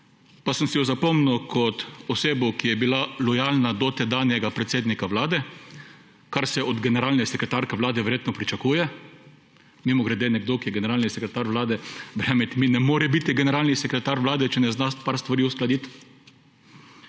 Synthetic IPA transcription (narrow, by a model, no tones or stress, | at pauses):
pasəmsɛjɔzapɔmnuwkʰɔt̪ɔseːbɔwkijɛbilalɔjalnad̪ɔt̪ɛd̪aːnjɛɡapɾɛt̪seːd̪nikaʋlaːd̪ɛ | kaɾsɛɔd̪ɡɛnɛɾaːlnɛsɛkɾɛt̪aɾkɛʋlaːd̪ɛʋɛɾjeːt̪nɔpɾit͡ʃakuːjɛ | mimɔɡɾɛd̪eːnɛɡd̪okijɛɡɛnɛɾaːlnisɛkɾɛt̪aɾʋlaːd̪ɛbɾɛjaːmɛt̪minɛmoːɾɛbit̪iɡɛnɛɾaːlnisɛkɾɛt̪aɾʋlaːd̪ɛt͡ʃɛnɛznaspaɾst̪ʋaɾiʊsklad̪it̪